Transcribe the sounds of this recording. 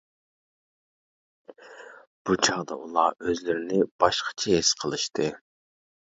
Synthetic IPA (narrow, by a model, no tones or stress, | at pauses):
b̥ut͡ʃʰɑʁd̪ɑ̰ulˠɑøzlyɾɪnɪb̥ɑʃqʰɑ̥t͡ʃʰɛesqʰəlˠɨʃt̪ʰɨ